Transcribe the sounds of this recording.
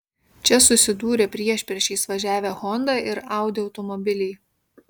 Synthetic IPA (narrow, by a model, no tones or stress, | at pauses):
t͡ʃʲɛsʊsʲɪd̪uːɾʲɛpʲɾʲiɛʃʲpʲɾʲɛʃʲɛɪsʋɐʒʲæːʋʲɛɣɔnd̪ɑʔɪɾɑˑʊd̪ʲeʊt̪ɔmɔbʲɪlʲɛː